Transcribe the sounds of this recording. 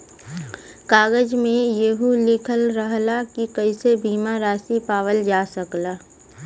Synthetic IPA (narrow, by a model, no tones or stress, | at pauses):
kaːɡəd͡ʒmẽjeɦulɪkʰəlɾəɦlakikəɪsebʱiːmaɾaːsipaːʋəld͡ʒaːsəklaː